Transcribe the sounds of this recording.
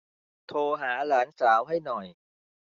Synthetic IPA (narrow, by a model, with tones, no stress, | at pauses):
t̪ʰoː˧ɦaː˩˦laː˩˦nsaː˩˦wɦa˥˩jnɔ˨˩j